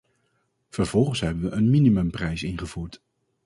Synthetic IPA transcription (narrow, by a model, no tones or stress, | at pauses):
v̥əɹvɔlˠχənsɦɛbənʋəʔənminimɵmprɛjsɪnχəv̥uːɹt